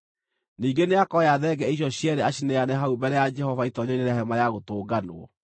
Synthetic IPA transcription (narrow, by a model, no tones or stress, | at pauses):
niːɡeneakɔjaðɛɡɛiɕ̬jɔɕjɛɾɛaɕineanɛɦaubɛɾɛjad͡ʒɛhɔvaitɔɲɔneɾahɛmajaɣotoːɡanw̰ɔ̰